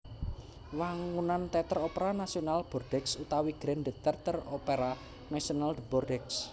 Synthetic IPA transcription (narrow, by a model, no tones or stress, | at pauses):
waŋunant̪ɛt̪əɾopeɾanasionalb̥ɔrd̥ɛksut̪awiɡ̥ɾɛnd̪ət̪ərt̪əropeɾa | nasionald̪əbɔrdɛks